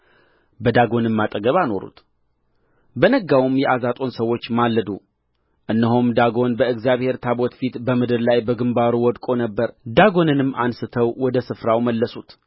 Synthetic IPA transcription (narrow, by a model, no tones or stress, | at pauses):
bəd̪aɡo̞nɨmːat̪ʼəɡəβano̞ɾṵt̪ | bənəɡawumjɛʔazat̪ʼo̞nsəwːo̞t͡ʃːmalːəd̪u | ʔɨnːəɦomd̪aɡo̞nbəɨɡzjaβhe̞ɾt̪ʰabo̞t̪fit̪bəmɨd̪ɨɾlajbəɡɨmbaɾuwɔd̪kʼo̞nəbːəɾd̪aɡo̞nɨnɨmːʔansɨt̪ʰəwwɔd̪əsɨfɾawməlːəsut̪